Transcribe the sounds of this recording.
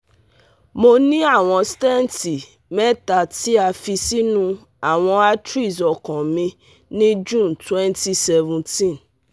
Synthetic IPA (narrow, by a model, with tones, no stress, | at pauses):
mo˦nĩ˦a˦˨w̃ɔ̃˧stɛ˦nti˨ | mɛ̃˦ta˨ti˦a˨fi˧si˦nũ˦ | a˨w̃ɔ̃˧a˦tɾi˦˨sɔ˨kɔ̃˨mĩ˧ | nĩ˦d͡ʒũ˦˨ntwɛ˦nti˦sɛ˦vũ˨ntĩ˦˨n